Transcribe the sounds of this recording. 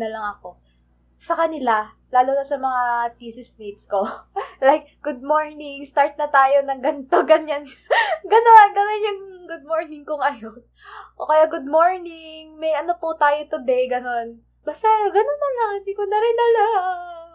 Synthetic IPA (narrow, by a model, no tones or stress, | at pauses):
nɐlɐŋɐko̞ | sɐkɐnɪla | laːlʊnɐsɐmɐŋat̪iːsɪsmik̪sko̞lajk̚ | ɡ̥ʊd̪̚mo̞ɹnɪŋst̪aɹt̪̚nɐt̪aːjo̞nɐŋɡɐnt̪oɡɐɲan | ɡɐno̞nɡɐno̞njʊŋɡʊd̪̚moɹnɪŋkʊŋʔɐjon | ʔo̰ːkɐjaɡʊd̪̚moɹnɪŋmɐjʔɐnoput̪aːjot̪ʊd̪ɛjɡɐno̞n | bast̪aɡɐnonːɐlɐŋɪnd̪iːkonɐɾɪnːɐla